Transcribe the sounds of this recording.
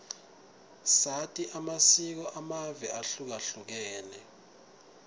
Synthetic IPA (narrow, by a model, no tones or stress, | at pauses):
satʼiʔamasik̬ɔʔamavɛʔaɬuk̬aɬuk̬ɛːlɛ